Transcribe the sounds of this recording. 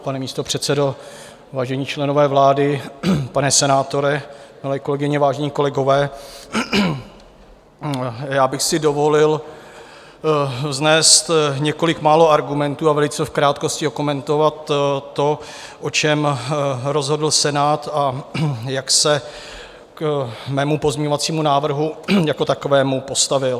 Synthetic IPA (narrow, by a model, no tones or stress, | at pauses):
panɛmiːst̪o̞pr̝̥ɛt̪sɛdo̞ | vaːʒɛɲiːt͡ʃlɛno̞vɛːvlaːdɪpanɛsɛnaːt̪o̞ɾɛmɪlɛːko̞lɛɡɪɲɛvaːʒɛɲiːko̞lɛɡo̞vɛː | jaːbɪxsɪdo̞vo̞lɪl | znɛːst̪ɲɛko̞lɪkmaːlo̞aɾɡumɛnt̪uːavɛlɪt͡sɛfkɾaːt̪ko̞scɪokomɛnt̪o̞vat̪ːo̞ | ʔot͡ʃɛmɾo̞zɦo̞dl̩sɛnaːt̪ajaksɛ | kmɛːmupozmɲɛɲo̞vat͡siːmunaːvr̩ɦujako̞t̪ako̞vɛːmupo̞st̪avɪl